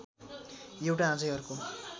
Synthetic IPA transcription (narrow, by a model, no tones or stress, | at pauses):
ewʈaɦãd͡zʌjʌrko